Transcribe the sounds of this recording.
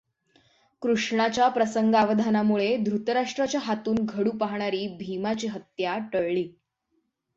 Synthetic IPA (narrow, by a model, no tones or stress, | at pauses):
kɾuʂɳat͡ɕapɾəsəŋɡaʋəd̪ʱanamuɭed̪ʱɾut̪əɾaʂʈɾat͡ɕjaɦat̪uːnɡʱəɽuːpaɦɳaɾiːbʱimat͡ɕiːɦət̪jaʈəɭɭiː